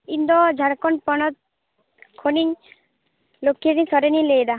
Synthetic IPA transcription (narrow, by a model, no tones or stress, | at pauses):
ind̪ɔd͡ʒʱaɽkɔnpɔnɔt̪̚ | kʰoniɲ | lokʰːediɲsɔɾenilejd̪a